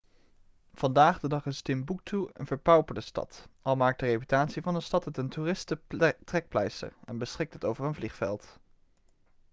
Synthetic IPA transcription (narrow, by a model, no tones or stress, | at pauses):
v̥ɑndaːχdədɑχənstɪmbuk̚tʰuə̰nv̥əɹpɑwpəɹdəstɑ̰tɑlˠmaːk̚dərepytaːtsivɑndənstɑtɦətəntuːrɪstətrɛk̚plɛjsə̰ɛnbəsχɪk̚tɦətowvəɹənvliχfɛlˠt